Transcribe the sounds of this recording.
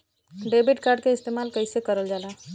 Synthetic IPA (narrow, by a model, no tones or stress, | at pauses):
ɖebiʈkaɾɖ̚keɪst̪emalkəjsekəɾəld͡ʒala